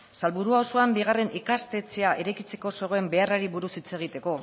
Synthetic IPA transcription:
salβuɾuaoso̞ambiɣare̞nʔikast̪e̞t͡se̞aʔe̞ɾajkit͡se̞ko̞so̞ɣ̞oembe̞araɾiβuɾusit͡se̞ɣ̞it̪e̞ko̞

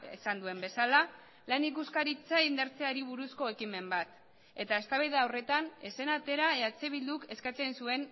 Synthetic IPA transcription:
ḛsand̪ue̞mbe̞sala | lanikuskaɾit͡saind̪aɾt͡se̞aɾiβ̞uɾusko̞e̞kime̞mbat̪ | e̞t̪ae̞st̪aβajðeawre̞t̪ane̞se̞nat̪e̞ɾaeat͡se̞β̞ild̪uke̞skat͡se̞nsue̞n

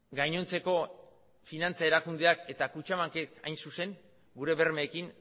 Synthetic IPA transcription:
ɡajɲo̞nt͡se̞ko̞ | finant͡sae̞ɾakund̪e̞ake̞t̪akut͡ʃamaŋkeka̰jnsuse̞ŋ | ɡuɾe̞βe̞ɾme̞ːkiŋ

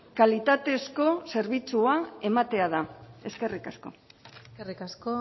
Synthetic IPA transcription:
kalit̪at̪e̞sko̞se̞ɾβit͡suae̞mat̪e̞aðae̞ske̞rikasko̞̰kerikasko

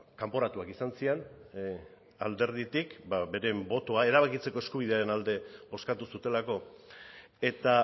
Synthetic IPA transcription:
kampo̞ɾat̪uakisansien | ald̪e̞ɾð̞it̪ikbabe̞ɾe̞mbo̞t̪o̞ae̞ɾaβakit͡se̞ko̞e̞skuβ̞iðe̞aɾe̞nald̪e̞bo̞skat̪usut̪e̞lako̞ | e̞t̪a

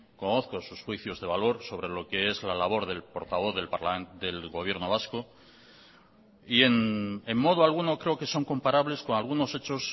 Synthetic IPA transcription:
ko̞no̞θko̞susxwiθjo̞zðe̞β̞alo̞ɾso̞βɾe̞lo̞ke̞e̞zlalaβ̞o̞ɾðe̞lpo̞ɾt̪aβo̞θðe̞lpaɾlaend̪e̞lɣo̞β̞je̞ɾno̞βasko̞ | ienemmo̞ð̞oalɣ̞uno̞kɾe̞o̞ke̞so̞ŋko̞mpaɾaβle̞sko̞nalɣuno̞se̞t͡ʃo̞s

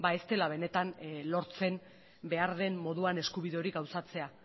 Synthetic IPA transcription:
bae̞st̪e̞laβ̞e̞ne̞t̪anlo̞ɾt͡se̞m | be̞aɾðe̞mmo̞ðuane̞skuβiðe̞o̞ɾiɡawsat͡se̞a

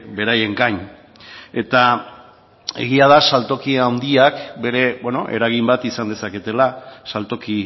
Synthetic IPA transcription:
be̞ɾaje̞ŋɡaɲ | e̞t̪a | e̞̰ɣiað̞asalt̪o̞kiawnd̪iakbe̞ɾe̞bweno̞̰ʔe̞̰ɾaɣ̞imbat̪isand̪e̞sake̞t̪e̞lasalt̪o̞ki

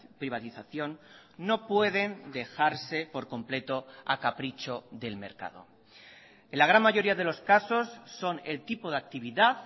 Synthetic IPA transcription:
pɾiβ̞at̪iθaθjo̞nːo̞pwe̞ðe̞nd̪e̞xaɾse̞po̞ɾko̞mple̞t̪o̞a̰kapɾit͡ʃo̞ðe̞lme̞̰ɾka̰ðo̞̰ | enlaɣ̞ɾanmaʝo̞ɾiaðe̞lo̞skaso̞sːo̞ne̞lt̪ipoðak̚t̪iβiðað

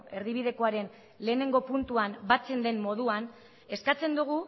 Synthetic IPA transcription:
e̞ɾðiβ̞ið̞e̞ko̞aɾe̞n | le̞ːne̞ŋɡo̞punt̪uambat͡se̞nd̪e̞nmo̞ð̞uan | e̞skat͡se̞nd̪uɣ̞u

